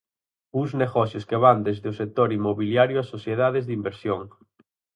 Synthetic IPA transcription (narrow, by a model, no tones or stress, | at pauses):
uzneɣɔθjoskeβand̪ezðɪʊsek̚t̪oɾimːoβiljaɾjʊasoθjeðaðezðimbeɾsjoŋ